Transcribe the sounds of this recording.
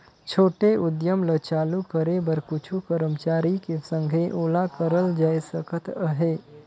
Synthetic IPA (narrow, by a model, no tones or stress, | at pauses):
t͡ʃʰoːʈeʔud̪jəmlət͡ʃaːlukəɾebəɾkut͡ʃʰukəɾəmt͡ʃaɾikesə̃ŋɡʱeʔoːlakəɾəld͡ʒajsəkət̪əɦe